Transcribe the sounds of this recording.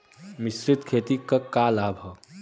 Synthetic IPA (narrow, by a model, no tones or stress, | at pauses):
misɾɪt̪kʰeːt̪ikɐkalaːbʱɐ